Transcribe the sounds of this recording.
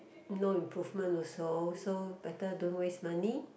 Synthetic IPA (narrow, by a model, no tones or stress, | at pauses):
noĩmpɾufmə̃nɔsosobɛtədunwesmani